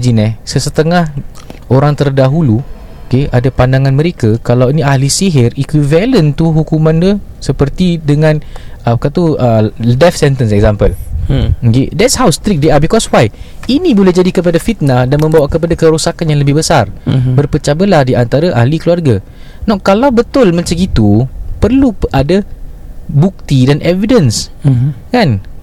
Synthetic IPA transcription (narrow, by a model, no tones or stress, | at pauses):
d͡ʒinɛsəsət̪əŋahoɾaŋt̪ərdaɦulu | okeʔadapandaŋãnməɾekakalawiniahlisiɦɪrikwivɛlənt̪uɦukumãnd̪usəpərt̪idəŋãnapkat̪uədɛfsɛnt̪ənsɛk̚zampəl | kḛdɛtshawst̪ɾik̚d̪eabikɔswaj | inĩbolɛhd͡ʒadikəp̬adafit̪̚nadanmə̃mbawaʔkəpadakəɾusakanjãŋləbɪhbəsarbərpət͡ʃabəlahdiant̪aɾaʔa̰hlikluarɡa | nakalawbət̪ʊlmãɲt͡ʃaŋɡit̪upərluʔada | buk̚t̪idanʔɛvidəns | kan